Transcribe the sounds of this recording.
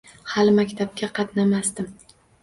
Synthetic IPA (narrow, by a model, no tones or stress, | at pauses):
halɪmakʲt̪ʰap̚kʲaqʰɑt̪namast̪ɪm